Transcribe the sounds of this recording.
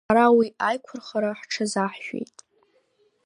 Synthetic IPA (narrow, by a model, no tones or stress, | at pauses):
aɾawiajkʷʰʊrχaɾaħʈ͡ʂʰazaħʃᶣḛjtʼ